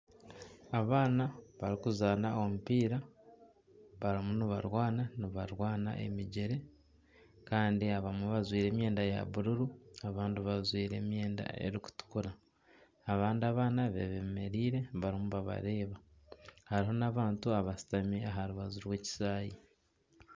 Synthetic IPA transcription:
aβaːnaβaɾikuzaːnao̞mupiːɾa | βaɾimuniβa̰ɾwaːnaniβaɾwaːna̰ʔe̞̰miɟeɾe̞ | kaːndiaβamweβazwiːɾe̞ːmje̞ːndaja̰βuɾuɾuaβaːndiβazwiːɾe̞̰ːmje̞ːnda̰e̞̰ɾiku̥tu̥kuɾaː | βaːndiaβaːnaβeβeme̞ɾiːɾe̞βaɾimuβaβa̰ɾe̞ːβa | haɾiɦo̞naβaːntuaβasi̥tameaɦaɾuβazuɾwe̞ːci̥saːji

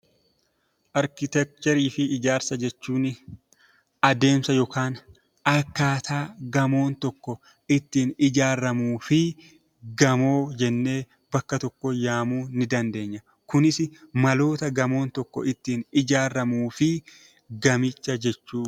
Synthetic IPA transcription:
ʔɐɾkɪt̪ɛk̚t̪ɛɾiːfɪːd͡ʒaːɾsɐd͡ʒɛt͡ʃːuːnɪ | ɐd̪e̞ːmsɐjɔːkaːn | ɐkːaːt̪ʰaːɡɐmo̞ːnt̪ɔkːɔ | ɪt̪ːiːnɪd͡ʒaːɾːɐmuːfɪ | ɡɐmo̞ːd͡ʒɛnːe̞ː | bɐkːɐt̪ɔkːɔjaːmuːnɪd̪ɐnd̪e̞ːɲːɐ | kʊnɪsɪmɐlo̞ːt̪ɐɡɐmo̞ːnt̪ɔkːɔ̰ɪt̪ːiːnɪd͡ʒaːɾːɐmuːfɪ | ɡɐmɪt͡ʃːɐd͡ʒɛt͡ʃːuː

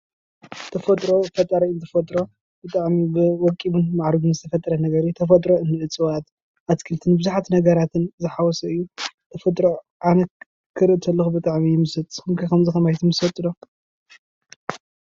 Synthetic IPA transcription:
t̪ʰɐfɐt̪ʼɾofɐt̪ʼɐɾɐnt̪ʰɐfɐt̪ʼɾo̞ | b̥ɨt̪ʼaʕmibɨwɔkʼibunmaʕɾɨɡunzɨt̪ʰɐfɐt̪ʼːɐɾɐnɐɡɐɾit̪ʰɐfɐt̪ʼɾoɨnːɨʔɨt͡sʼɨwat̪ | ʔat̪kʰɨlt̪ʰɨnbɨzuħat̪nɐɡɐɾat̪ʰɨnzɨħawɔsɐɨjːut̪ʰɐfɐt̪ʼɾo | ʕanɐ | kʰːɨɾɨʔt̪ʰɐlːɨxubɨt̪ʼaʕmijɪmɨsɐt̪ʼɨmkʰɐkɐmzɨxɐmajt̪ʰɨmɨsɐt̪ʼɨdo

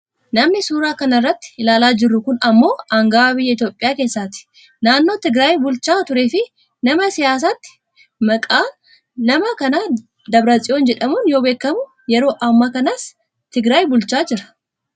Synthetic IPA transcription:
nɐmnɪsuːɾaːkɐnɐrːɐt̪ːɪ̥ɪlaːlaːd͡ʒɪrːʊkʊnɐmːo̞ːɐŋɡaːbɪjːɐɪt̪jo̞ːpʼːɪjaːke̞ːsːaːt̪ɪ̥ | naːnːo̞ːt̪ɪɡɾaːjbʊlt͡ʃaːt̪ʊɾe̞ːfɪ | nɐmɐsɪjaːs̬aːt̪ːɪ̥ | mɐkʼaː | nɐmɐkɐnaː | d̪ɐbɾɐt͡sʼɪjoːnd͡ʒɛᶑɐmuːnjo̞ːbeːkːɐmʊ | jɛɾo̞ːʔɐmːɐkɐnas | t̪ɪɡɾaːjbʊlt͡ʃaːd͡ʒɪɾɐ̥

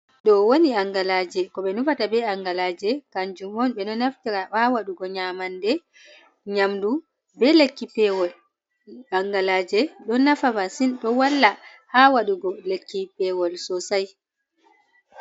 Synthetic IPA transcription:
ɗɔwoniaŋɡalad͡ʒɛkɔɓɛnufatabɛaŋɡalad͡ʒɛkaɲd͡ʒumɔnɓɛnɔnaftiɾahawaɗuɡɔɲamandɛ | ɲamdu | bɛlekːipɛwɔl | aŋɡalaːd͡ʒɛɗɔnafabasinɗɔwalːa | hawaɗuɡɔlekːipɛwɔlsɔsaj

